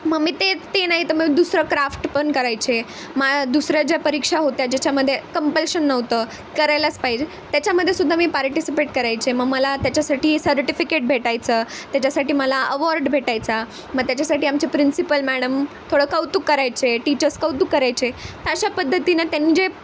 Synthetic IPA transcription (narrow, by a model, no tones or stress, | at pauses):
məɡmiːt̪et̪enaɦit̪əməɡd̪usɾəkɾafʈpəɳkəɾajt͡ɕe | mad̪usɾjad͡ʑjapəɾikʂaɦot̪jad͡ʑet͡ɕaməd̪ʱːjekəmpəlɕənːəʋt̪əː | kəɾajlaspajd͡ʑe | t̪jat͡ɕjaməd̪ʱːjesud̪ʱːamiːpaɾʈisipeʈkəɾajt͡ɕeməɡməlat̪jat͡ɕjasaʈiːsəɾʈifikeʈ̚bʱeʈajt͡səː | t̪jat͡ɕasaʈiːməlaəʋɔɾɖbʱeʈajt͡sa | məɡ̚t̪jat͡ɕasaʈiːamt͡ɕepɾinsipəlmæɽəmt̪ʰoɽəːkəwt̪ukːəɾajt͡ɕeʈit͡ɕəɾskəwt̪ukːəɾajt͡ɕet̪aɕapəd̪ʱːət̪inət̪janiːd͡ʑe